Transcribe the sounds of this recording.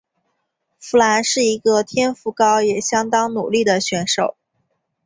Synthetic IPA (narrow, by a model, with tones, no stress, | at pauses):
fu˧˥la˧˥nʂɻ̩˥˩i˧˥ɡə˧t̪ʰjɛ˥nfu˧˥kɑ˥ʊjɛ˨˩ɕjɑ˥ŋt̪ɑ˥ŋnṵ˨˩li˥˩d̪ə˩ɕɥɛ˧˥nʂo˨˩˦ʊ